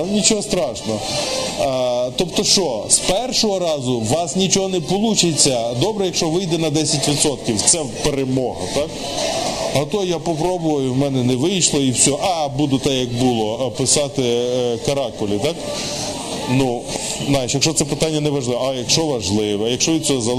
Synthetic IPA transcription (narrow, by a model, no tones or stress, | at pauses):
nʲit͡ʃɔɦɔst̪ɾɑʃnɔɦɔ | t̪ɔpt̪ɔʃt͡ʃɔspɛrʃɔɦɔɾɑzʊʋɑsnʲit͡ʃɔɦɔnɛpɔlˠut͡ʃɪt͡sʲːɐd̪ɔbɾɛjɐkʃt͡ʃɔʋɪjd̪ɛnɐd̪ɛsʲɐtʲʋʲit̪sɔt̪̚kʲiwt̪sɛwpeɾemɔɦɐt̪ɑk | ɐt̪ɔjjapɔpɾɔbʊʋɐjʊwmɛnɛnɛʋɪjʃlˠɔiwsʲɔɦɔʔɑbud̪ʊt̪ɛjɐk̚bʊlˠɔpɪsɑt̪ɪkɐɾɑkɔlʲit̪ɑk | nuznajɪʃjɐkʃt͡ʃɔt̪sɛpɪt̪ɑnʲːɐnɛʋɐʒlˠɪʋɛɐjɐkʃɔʋɐʒlˠɪʋɛjɐkʃt͡ʃɔʋʲid̪̚t͡sʲɔɦɔzɐlˠ